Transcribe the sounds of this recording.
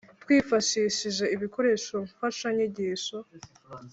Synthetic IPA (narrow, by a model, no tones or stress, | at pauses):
twiːfaʃiʃiʒe̞iβiko̞ɾe̞ʃo̞ɱfaʃaɲeɟeʃo